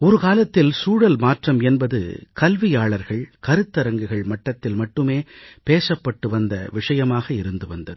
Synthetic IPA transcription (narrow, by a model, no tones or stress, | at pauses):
ɔɾɯkaːlɐt̪ːɪlsuːɽɐlmaːʈrɐmɛnbɐðɯ̰kɐlʋɪjaːɭɐɾɣɐɭkɐɾɯt̪ːɐɾɐŋɡɯɣɐɭmɐʈːɐt̪ːɪlmɐʈːɯmeːpeːsɐpːɐʈːɯʋɐnd̪ɐ̰ʋɪʂɐjɐmaːɣɐɪɾɯnd̪ɯʋɐnd̪ɐðɯ